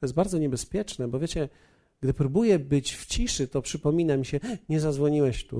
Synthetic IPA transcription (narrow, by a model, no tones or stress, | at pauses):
tt̪ɔjɛst̪baɾd̪zɔɲɛbɛspʲjɛt͡ʂnɛbɔvʲjet͡ɕɛ | ɡd̪ɘpɾubujɛbɘt͡ɕft͡ɕiʂɘt̪ɔpʂɘpɔmʲinamʲiɕɛɲɛzad̪zwɔɲiwɛɕt̪ṵ